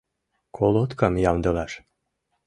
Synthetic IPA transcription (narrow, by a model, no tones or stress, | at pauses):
kʰolˠot̪kɑmjɑmd̪ɤ̆lɑʃ